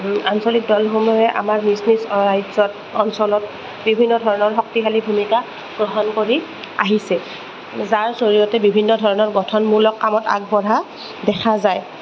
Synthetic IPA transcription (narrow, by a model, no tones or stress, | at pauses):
ansolik̚dɔlɦomɔjɛʔa̰maɹmisnisɔajzɔt | ɔnsɔlɔt̚ | bibʱinːɔdʱɔɹɔnɔɹɦɔk̚tiɦalibʱumika | ɡ̥ɹɔɦɔnkoɹi | a̰ɦisɛ | zaɹsoɹijɔtɛbibʱinːɔdʱɔɹɔnɔɹɡɔtʰɔnmuɹlɔkːamɔta̰ɡ̚bɔɹa | dɛkʰazaj